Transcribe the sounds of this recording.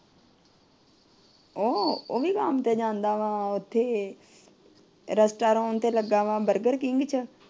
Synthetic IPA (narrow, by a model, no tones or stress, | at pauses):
oːoːʋiːkaːmt̪eːd͡ʒãːnd̪aːʋãːʊt̪ʰːeː | ɾəsʈaːɾõːnt̪eːləɡaːʋãːbəɾɡəɾkɪŋɡt͡ʃʰə